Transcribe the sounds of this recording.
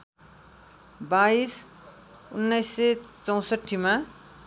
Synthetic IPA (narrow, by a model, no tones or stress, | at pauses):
bais | unːʌjsːʌt͡sʌw̃sʌʈʰːima